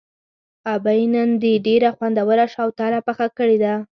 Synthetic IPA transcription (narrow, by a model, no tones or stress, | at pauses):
abajnənd̪eɖeɾaxwand̪awəɾaʃawt̪ɑnapəxakəɽed̪a